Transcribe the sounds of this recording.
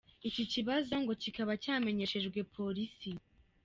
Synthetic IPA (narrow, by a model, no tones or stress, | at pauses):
iciciβazo̞ŋɡo̞cikaβacaːme̞ɲe̞ʃe̞ʒɡwe̞pʰo̞ɾisi